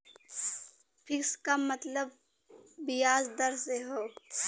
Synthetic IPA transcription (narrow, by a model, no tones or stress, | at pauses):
fʰɪkskamɐt̪ləbː | ɪjaːzd̪ɐɾseɦoː